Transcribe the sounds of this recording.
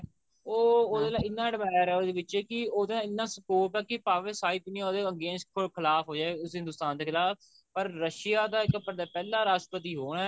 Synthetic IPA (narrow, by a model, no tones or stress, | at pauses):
oːoːd̪eːlaːɪnːãːɖəbaːjaːɾɛoːd̪eːʋɪt͡ʃɛːkɪoːd̪eːlãːɪnːãːsəkoːpɛːkɪpaːʋeːsaːiːknioːd̪eːəɡẽːnskʰokʰɪlaːfʰɦoːd͡ʒaːeʊsɦɪ̃nd̪ʊːst̪aːnd̪eːkʰɪlaːp̚ | pəɾːəʃɪjaːd̪aːɪkəpəɾd̪aːpɛːlaːɾaːʃpət̪̬iːɦoːɳɛː